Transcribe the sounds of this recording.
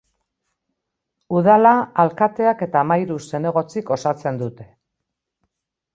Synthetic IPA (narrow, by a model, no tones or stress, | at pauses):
uð̞alaalkat̪e̞ake̞t̪amajɾuse̞ne̞ɣ̞o̞t͡siko̞sat͡se̞nd̪ut̪e̞